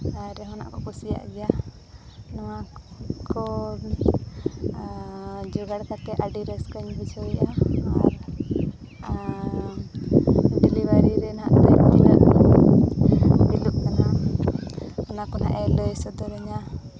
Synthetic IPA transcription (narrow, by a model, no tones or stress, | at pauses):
aɾɛɦɔna̰ʔkɔkusija̰ʔd͡ʒɛja | nɔwakɔ | d͡ʒɔɡaɽt̪akɛʔaɖiɾɛskəɲbisɔjʔaaɾ | ɖilibaɾiɾɛna̰ʔt̪ɛd͡ʒilaʔ | biluk̚mɛna | hɔnakɔna̰ʔɛlɔɛsɔd̪ɔɾɛɲa